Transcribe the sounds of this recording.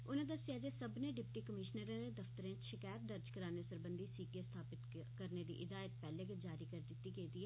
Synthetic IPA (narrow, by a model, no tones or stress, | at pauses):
ʊnãːd̪əsɪjaːd͡ʒeːsəbneːɖɪpʈiːkəmɪʃnəɾãːɾeːd̪əft̪əɾẽːt͡ʃʃɪkaːjət̪̚d̪əɾd͡ʒkəɾaːneːsəɾbənd̪iːsiːkeːst̪ʰaːpɪt̪ | kəɾneːd̪ḭːʔɪd̪aːət̪pɛːlẽːkɪd͡ʒaːɾiːkəɾd̪ɪt̪ːiːɡeiːd̪iːɦɛː